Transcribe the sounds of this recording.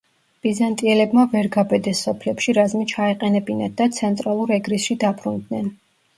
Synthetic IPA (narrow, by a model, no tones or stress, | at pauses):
b̥izant̪ʼiɛlɛbmavɛɾɡabɛd̪ɛsːɔpʰlɛpʃiɾazmit͡ʃʰaɛqʼɛnɛbinad̪at̪sʰɛnt̪ʼɾalˠuɾɛɡɾisʃid̪abɾund̪nɛn